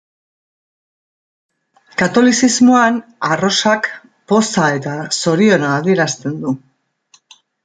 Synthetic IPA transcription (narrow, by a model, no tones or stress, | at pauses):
kat̪o̞lisizmoanaro̞sak | po̞sae̞t̪aso̞ɾio̞naːðie̞ɾast̪e̞nd̪u